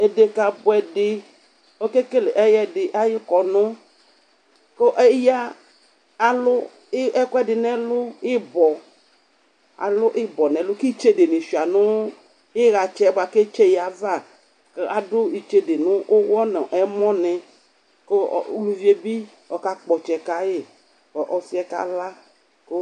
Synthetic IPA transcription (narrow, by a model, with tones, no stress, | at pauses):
e˨de˨ka˨bʊ˨ɛ˨dɪ˨ | o˦ke˦ke˦le˨ʔɛ˦jɛ˦dɪ˨ʔa˦jɪ˦kɔ˨nʊ˦ | ke˦ʔɛ˦ja˦ | a˨lʊ˦ | ɪ˦ʔɛ˦kɔ˦ɛ˦dɪ˨nɛ̃˦lʊ˦ɪ˦bɔ˨ | a̰˨lʊ˦ʔɪ˦bɔ˨nɛ̃˨lʊ˦ki˦t͡ʃe˦de˨nɪ˨ʃi˨a˨nʊ˦ | ɪ˦ɣa˨t͡ʃɛ˦ba˨ke˦t͡ʃe˦ja˨va˦˨ | ke˦a˨dʊ˦i˨t͡ʃe˦de˨nʊ̃˦ʔʊ˦wɔ˦nẽ˨ʔɛ˨˦mɔ̃˦nɪ˨ | ko̰˦˨lu˨vi˨˦e˨bi˦ | ɔ˨ka˦k͡pɔ˨t͡ʃɛ˨ka˨jɪ˨ | ɔ˨ʔɔ˨fi˦ɛ˦ka̰˦la˦ | ko˦